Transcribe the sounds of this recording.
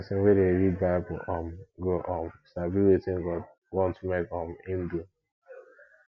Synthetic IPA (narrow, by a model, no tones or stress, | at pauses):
sɪŋ̩wedeɾid̚baɪbʊ̰ɔmɡoʔɔmsabiwetɪŋɡɔ | wɔ̃ntumekɔmin̩du